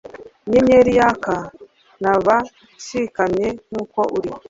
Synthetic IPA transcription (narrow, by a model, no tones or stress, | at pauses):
ɲeɲeɾijaka | naβa | ʃikamɲeŋ̥uːkoʔuɾi